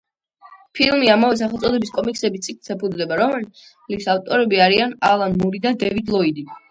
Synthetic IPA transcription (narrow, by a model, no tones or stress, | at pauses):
pʰilˠmiamavɛs̬aχɛlˠt̪ʼɔd̪ɛbiskʼɔmiksɛbisʼik̚ʰʼt̪sɛpʰud̪d̪ɛbaɾɔmɛl | lit̪saft̪ʼɔɾɛbiaɾianalˠanmuɾid̪ad̪ɛvid̪lˠɔid̪i